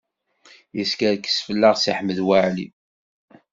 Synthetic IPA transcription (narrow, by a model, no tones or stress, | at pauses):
jəskæɾkːə̥sfəlːaʁsiħməðwaʕli